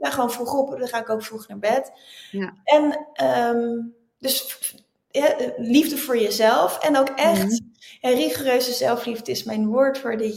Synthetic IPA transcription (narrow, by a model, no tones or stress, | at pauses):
jaːχəʋownfruχɔpdɑχaːɪkowkfruχənaːɹbɛt | ɛnəm | dɵs | ɦɛlivdəvʊːɹjəzɛlˠfɛ̰nowkɛχtɛriχoːrøɥzəzɛlˠflivdəɪsmɛjnʋʊːɹtfʊːɹdɪ